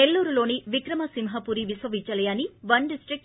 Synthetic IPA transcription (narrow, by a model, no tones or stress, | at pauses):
elːuːɾulo̞ːniʋikɾɐmɐsimɦɐpuːɾiʋisʋɐʋit͡ʃɐlɐjaːniʋɐɳɖisʈɾik̚ʈ